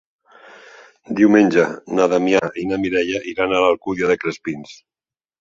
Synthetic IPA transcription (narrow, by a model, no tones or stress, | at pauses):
d̪iwmenʲd͡ʒanaðamjainamiɾɛʎaʔiɾanalalˠkuðjaðekɾespins